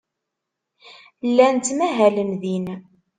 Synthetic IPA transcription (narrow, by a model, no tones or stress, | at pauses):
lːænt̪ːmæɦæləmðin